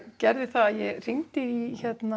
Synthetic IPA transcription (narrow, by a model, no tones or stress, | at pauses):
cɛɾðɪθaaðjɛɣr̥iŋt̪ɪiçɛt̪na